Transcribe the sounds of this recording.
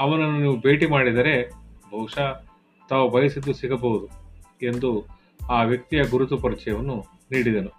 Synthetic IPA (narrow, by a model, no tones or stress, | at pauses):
ɐʋɐnɐnːuniːʋube̞ːʈimaːɽid̪ɐɾe̞bʱɐwʂa | t̪aːʋɐbɐjisid̪ːusiɡɐbɐwud̪ue̞nd̪u | aːʋjɐk̚t̪ijɐɡuɾut̪upɐɾit͡ʃɛjɐʋɐnːu | niːɽid̪eːnu